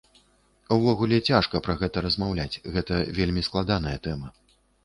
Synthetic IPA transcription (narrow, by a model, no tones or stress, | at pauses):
wvɔɣulʲɛt͡sʲaʂkɐpɾɐɣɛt̪ɐɾɐzmawlʲat͡sʲɣɛt̪ɐvʲelʲmʲisklˠad̪an̪ɐjɐt̪ɛmɐ